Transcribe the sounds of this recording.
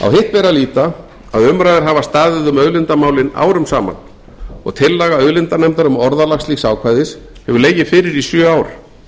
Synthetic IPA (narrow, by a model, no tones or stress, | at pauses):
a̰wɦɪht̪vɛːɾaliːt̪a | aðʏmɾajðɪɾ̥ɦavast̪aːðɪðʏmœðlɪnt̪amaːwlɪna̰ːwɾʏmsaːma̰n | ɔ̰ɣt̪ʰɪlːaɣaœðlɪnt̪anɛmt̪aɾʏmɔɾðalaxsliːxsaːwkʰvaːjðɪshɛvʏɾleːjɪfɪːɾɪɾisjœːaːwɾ